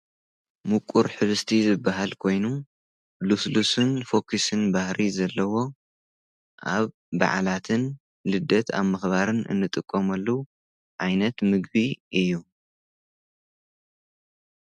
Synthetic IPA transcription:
mukʷʼuɾħɨβɨst̪ʰizɨbːaɦalkʰo̞jnu | luslusɨnfo̞kʰisɨnbahɾʔizɐlːɐwo̞ | ʔaβː | a̰ʕa̰lat̪ʰɨn | lɨd̪ːɐt̪ʰa̰βmɨxβaɾɨnʔɨ̰nːɨt̪ʼɨkʼːomɐlːɐwu | ʕajnɐt̪mɨɡ̚biɨjːu

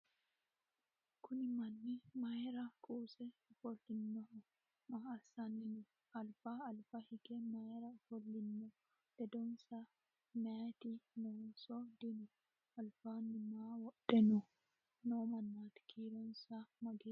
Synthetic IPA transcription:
kunimanːimajɾakʼuːsɛfolːinːɔʔ | maːsanini | alfaːlfahiɡɛmajɾafolːinːɔ | dɛdɔnsa | mɛt̪inɔnsɔd̪ini | alfanimawɔɗɛnɔ | nɔmanːat̪i̥kʰiɾɔnsamaɡɛ

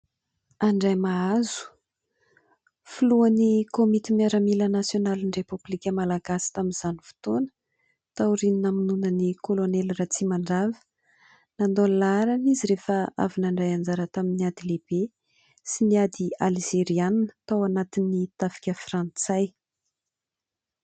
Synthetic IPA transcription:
aɳɖ͡ʐajmaazu̥ | fuluanikomit̪imiaɾamilənasjonalinrepublikʲəmalaɡasi̥t̪aminz̥anifu̥t̪onə̥ | t̪auɾininaminunənikolonɛlrat͡simaɳɖ͡ʐavə̥ | nand̪olaɾaniziɾefəa̰vinaɳɖ͡ʐajand͡zaɾət̪aminiad̪ileb̥e | siniad̪ialziɾianinə̥t̪awanat̪inːit̪afi̥kʲəfrãnt͡saj

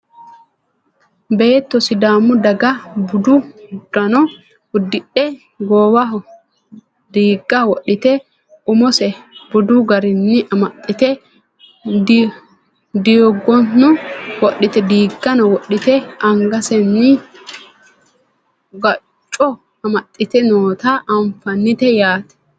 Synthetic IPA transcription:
beːt̪ːɔsɪd̪aːmʊd̪ɐɡɐbʊd̪ʊd̪ɐnɔ | ʊd̪ːɪɗɛ | ɡoːwɐ | d̪iːɡːɐwɔɗːɪt̪ɛ | ʊmɔsɛbʊd̪ʊɡɐɾɪnːɪʔɐmɐt̪ʼːɪt̪ɛ | d̪ijɔɡːɔnːʊwɔɗɪt̪ɛd̪iːɡːɐnɔwɔɗːɪt̪ɛɐŋɡɐsɛnːɪ | ɡɐ | t͡ʃʼːɔ | ɐmɐt̪ʼːɪt̪ɛnoːt̪aʔɐɱfɐnːɪt̪ɛjaːt̪ɛ̥

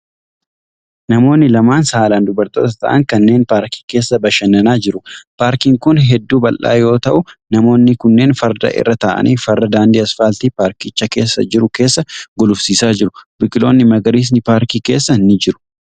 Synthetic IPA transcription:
nɐmo̞ːnːɪlɐmaːnsaːlaːnd̪ʊbɐɾt̪o̞ːt̪ɐ̥t̪ɐ̰ʔɐ̰ŋkɐnːe̞ːnpaːɾki̥ːke̞ːsːɐbɐʃɐnɐnaːd͡ʒɪɾʊpaːɾkiːŋkʊnɦɛd̪ːuːbɐlʔa̰ːjo̞ːt̪ɐʔʊnɐmo̞ːnːɪkʊnːe̞ːnfɐɾd̪ɐ̰ʔɪ̰rːɐt̪aːʔɐ̰nʔiːfɐrːɐd̪aːnd̪iːɐsfaːlt̪ipaːɾkɪt͡ʃːɐke̞ːsːɐ̰d͡ʒɪɾʊke̞ːsːɐɡɔlʊfsiːsaːd͡ʒɪɾʊbɪkʼɪlo̞ːnːɪmɐɡɐɾiːs̬nɪpaːɾkiːke̞ːsːɐnːɪd͡ʒɪɾʊ̥

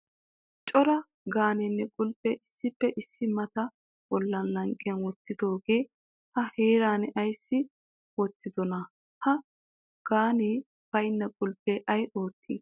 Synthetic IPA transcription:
t͡ʃʼɔɾɐ | ɡaːnɛnːɛkʼʊlpʼːɛʔɪsːɪpːɛʔɪsːɪmɐt̪ɐ | wɔlːɐnlɐŋkʼːɪjɐnwɔt̪ːɪd̪o̞ːɡe̞ː | hɐheːɾaːnɛʔɐjsːɪ | wɔt̪ːɪd̪ɔnɐ | hɐ | ɡ̥aːniː | b̥ɐjnːɐkʼʊlpʼːɛʔɐjʔo̞ːt̪ːḭː

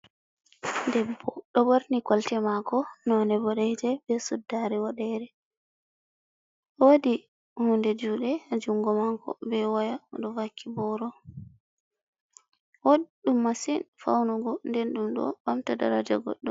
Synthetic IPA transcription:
dɛbːɔɗɔwoɾnikɔltɛmakɔnɔnɛbɔɗɛjd͡ʒɛbɛsudːaɾɛwɔɗɛɾɛ | wodi | hundɛd͡ʒuːɗɛad͡ʒuŋɡɔmakɔ̰bɛwajaɗɔvakːibɔɾɔ | woɗumːasinfa̰wnuɡɔndɛnɗumɗɔ̰bamtada̰ɾad͡ʒa̰ɡɔ̰ɗːɔm

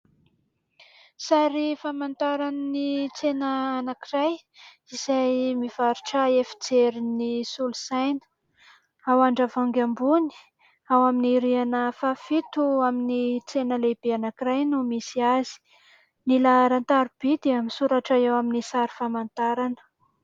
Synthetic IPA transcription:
saɾifamant̪aɾanənit͡senəːnakiraj | iz̥ajmiv̥aɾuʈ͡ʂaefi̥t͡seɾinisulusajnə̥ | awaɳɖ͡ʐavaŋɡambuni̥ | awaminiɾianəfafit̪uaminit͡senəleb̥eanakiɾajnumisiazi̥ | nilaɾant̪aɾub̥ed̪eəmisuɾaʈ͡ʂaewaminisaɾi̥famant̪aɾanə̥

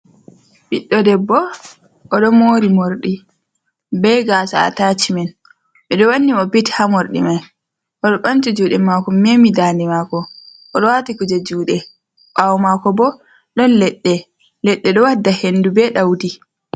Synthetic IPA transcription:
biɗːɔdɛbːɔ | ʔɔɗɔmoːɾimoɾɗi | bɛjɡaːsaa̰tat͡ʃimɛn | miɗɔwanːiɔbithamoɾɗḭmaj | ʔɔɗɔɓant͡ʃid͡ʒuːɗɛmakɔmemidaːnimakɔ | ʔɔɗɔwatikud͡ʒad͡ʒuːɗɛ | ɓawmakɔbɔ | ɗɔnlɛɗːɛ | lɛɗːɛɗɔwadːahenːdubɛɗawdi

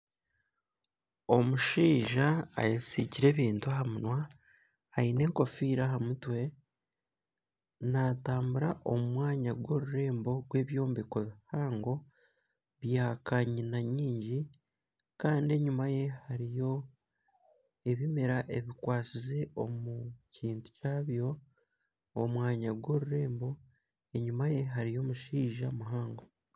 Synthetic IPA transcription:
o̞muʃiːʒa̰ːjesiɟiɾe̞ːβiːntuaɦamunwaː | ine̞ːŋko̞fiɾaɦamutwe̞ | nataːmbuɾaʔo̞mumwaːɲaɡwo̞ɾuɾe̞ːmbo̞ɡwe̞ːβjo̞ːmbikoβihaːŋɡo̞ | βjaːkaɲinaɲiːɲɟi | kaːndie̞ɲumaje̞haɾijo̞ | e̞βimeɾaʔeβikwaːt͡size̞omuciːntu̥caːβjo̞ː | mwaːɲaɡwo̞ɾuɾe̞ːmbo̞ | e̞ɲumaje̞ɦaɾijo̞ːmuʃiːʒamuɦaːŋɡo

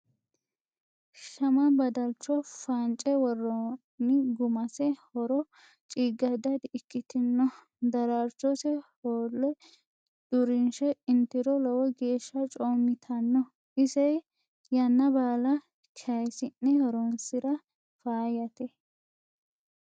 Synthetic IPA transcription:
ʃɐmɐbɐd̪ɐlt͡ʃːɔfaːnt͡ʃʼɛwɔrːɔ | nɪɡʊmɐsɛhɔɾɔ | t͡ʃʼiɡɐd̪ɐd̪ɪkːɪt̪ɪnːɔ | d̪ɐɾaɾt͡ʃːɔsɛhoːlːɛ | d̪̥ʊɾɪnʃɛɪnt̪ɪɾɔlɔwɔɡe̞ːʃːɐt͡ʃʼoːmːɪt̪ʰɐnːɔ | ɪzɛj | jɐnːɐbaːlɐ | kʰɐjsɪnːɛhɔɾɔnsɪɾɐ | faːjɐt̪ɛ

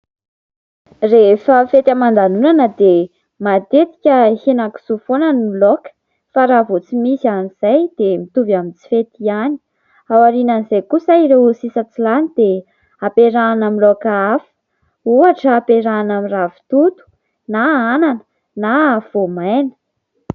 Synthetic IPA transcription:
refəfet̪amand̪anunanəd̪e | mat̪et̪i̥kʲəhenaku̥sufonanimilokə̥ | faɾavot͡simisianiz̥ajd̪̥emit̪uvamint͡si̥fet̪iani̥ | awaɾinanizajkusaiɾewusisət͡silanid̪e | apeɾaːnamilokaafə̥ | uaʈ͡ʂəːpeɾanamiravi̥t̪ut̪u̥ | naananə̥ | nav̥omajnə̥

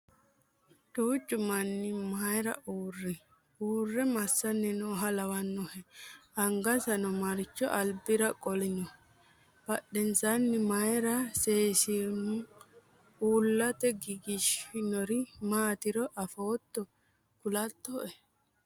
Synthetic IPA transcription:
tuːt͡ʃʼːʊmɐnːɪmajɾɐ̰ʔuːrːɛ | uːrːɛmɐsːɐnːɛnoːɦɐlɐwɐnːɔhɛɐŋɡɐsɐnɔmɐɾɪt͡ʃːɔ̰ʔɐlbɪɾɐkʼɔlɪnɔ | b̥ɐɗɛnsanːɪmɐjɾɐseːsɪm | uːlːɐt̪ɛɡɪɡɪʃɪnɔɾɪmaːt̪ɪɾɔʔɐfoːt̪ːɔ | kʊlɐt̪ːɔʔɛ

